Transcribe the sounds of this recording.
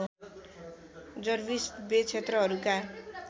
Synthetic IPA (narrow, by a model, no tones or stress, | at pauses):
d͡zʌrbisbet͡sʰet̪rʌɦʌɾuka